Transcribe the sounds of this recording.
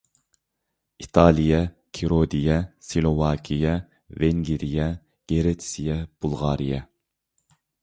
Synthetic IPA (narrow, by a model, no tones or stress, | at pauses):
it̪ʰɑːlˠijɛ | kʲʰiɾod̪ijɛsilˠovɑːkʲʰijɛ | veŋɡʲiɾijɛ | ɡ̥eɾet̪ʰsijɛb̥ulˠʁɑːɾijɛ